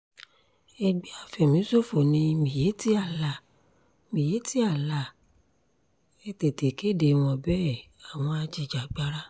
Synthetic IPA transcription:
ɛ˧ɡ͡bi˦a˦˨fɛ˨mĩ˨˦so˦˨fo˨nĩ˧mĩ˨je˨˦ti˦a˦˨la˦˨ | mĩ˨je˨˦ti˦a˦˨la˦˨ | ɛ˧te˨te˨ke˨˦de˨w̃ɔ̃˧bɛ˦˨a˨w̃ɔ̃˧a˧d͡ʒi˨d͡ʒa˨ɡ͡ba˦ɾa˦

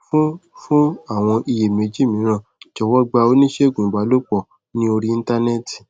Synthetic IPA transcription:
fũ˦fũ˦a˦˨w̃ɔ̃˧ʔi˧je˨me˨˦d͡ʒi˦˨mĩ˨˦ɾ̃ã˦˨d͡ʒɔ˨wɔ˦ɡ͡ba˧o˧˦nĩ˦ʃe˦˨ɡũ˨ɡ͡ba˨˦lo˦k͡pɔ˦˨ | nĩ˦o˧ɾi˧i˧n˦ta˧nɛ˦ti̥˨

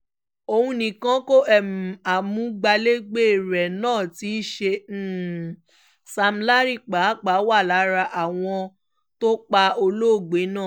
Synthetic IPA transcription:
o˧hũ˧nĩ˨kã˨˦ko˦ɛ˨m̩˨a˨mũ˨˦ɡ͡ba˧le˦ɡ͡be˦˨ɾɛ˨nãː˦˨ti˨˦ʃẽ˧˦˨ | sa˧m̩˧la˦ɾi˦˨k͡pa˨˦k͡pa˨˦wa˦˨la˨˦ɾa˧ʔa˨w̃ɔ̃˧ | to˦k͡pa˧o˧lo˦˨ɡ͡be˨˦nã˦˨

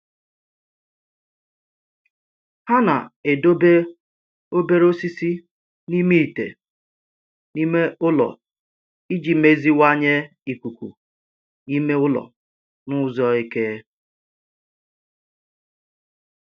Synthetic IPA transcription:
ha˦na̰˨e˨do˦be˦ | o˦be˦ɾo˦si˦si˦ | ni˦mi˦i˨tḛ˨ | ni˦me˦ʔʊ˦lɔ̰˨ | i˦d͡ʒi˨˦me˦zi˦wa˦ɲe˦ | i˨ku˨kʷṵ˨ | i˦me˦ʊ˦lɔ̰˨ | nʊ˦zɔ˦e˦ke˦

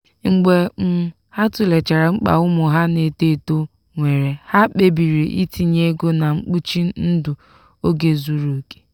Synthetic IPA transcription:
ŋ͡m̩˨ɡ͡be˨m̩˦ | ha˦tʊ˨le˨t͡ʃa˨ɾa˨ŋ͡m̩˦k͡pa̰˨ʊ˦mʊ˨ɦa˦ne˨te˦˨to˦ | ŋʷe˨ɾe˨ha˦k͡pe˦bi˨ɾe˨ʔi˦ti˦ɲe˦ɡo˦na˨ŋ͡m̩˦k͡pu˦t͡ʃi˦n̩˦dʊ˨ | o˦ɡe˦zu˦ɾo˨ke̥˦

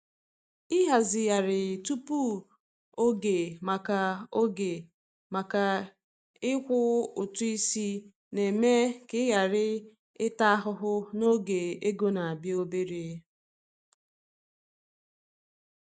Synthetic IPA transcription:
ɪ˦ɦa˨zɪ˨ja˨ɾɪ˨tu˦pu˦ | o˦ɡe˨ma˨ka˨o˦ɡe˨ | ma˨ka˨ | ɪ˦kʷʊ˦ʊ˨tu˦i˦si˦ | ne˨me˦kɪ˦ɣa˨ɾɪ˦ | ɪ˦ta˦ɦʊ˦ɦʊ˦no˦ɡe˨e˦ɡo˦na˨a˨bi˦o˦be˦ɾe˦

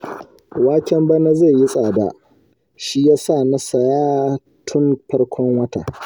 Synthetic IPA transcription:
waː˦kʲɛ˦mbɐ˦na˦ze˦˨ji˦sʼaː˨da̰˨ | ʃi˦jaː˦sa˦˨na˦sɐ˨jaː˦ | tʰʊ˦nɸɐ˦rkʷʰɔ˦ŋwɐ˦ta̰˨

